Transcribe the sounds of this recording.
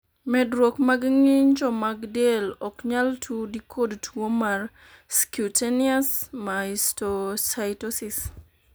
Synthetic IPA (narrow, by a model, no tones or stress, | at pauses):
mɛdɾokmaɡŋiɲd͡ʒɔmaɡdelɔkɲaltʰudikʰodtʰwomar | skuteniasmaistosajtosis